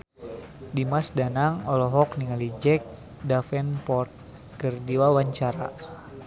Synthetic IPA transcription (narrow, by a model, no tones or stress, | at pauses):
dimasdanaŋɔlɔɦɔk̚niŋalid͡ʒɛk̚ | dafɛnpɔrt̪̚ | kɨrdiwawaɲt͡ʃaɾa̰